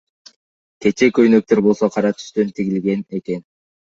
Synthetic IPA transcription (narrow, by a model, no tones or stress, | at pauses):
ke̞t͡ʃe̞kø̞jnø̞k̚t̪eɾbo̞lˠso̞qʰɑɾɑt̪ʰy̥ʃt̪ø̞nt̪ʰiɡilɡe̞ne̞ke̞n